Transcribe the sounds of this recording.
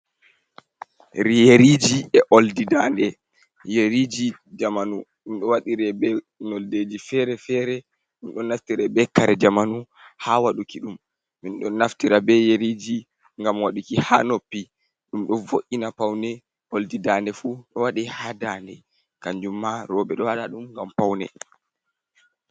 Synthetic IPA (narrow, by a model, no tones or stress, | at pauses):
ɾijeɾid͡ʒiɛʔoldidandɛ | jeɾid͡ʒi | d͡ʒamanuɗumɗɔwaɗiɾɛbɛ | nɔlded͡ʒifɛɾɛfɛɾɛ | ɗumɗɔnːaftiɾɛbɛkaɾɛd͡ʒamanu | hawaɗukiɗumː | inɗɔnːaftiɾabɛjeɾid͡ʒi | ŋɡamwaɗukiha̰nopːi | ɗumɗɔvoʔinapawnɛ | ʔoldidandɛfuɗɔwaɗihadandɛ | kaɲd͡ʒumːaɾɔbɛɗɔwaɗaɗumŋɡampawnɛ̰